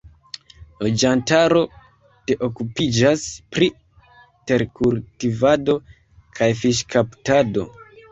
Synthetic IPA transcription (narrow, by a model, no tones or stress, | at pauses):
lo̞d͡ʒantaɾo̞ | te̞ʔo̞kupid͡ʒaspɾi | te̞ɾkultivado̞ | kʰajfiʃkʰaptado̞̰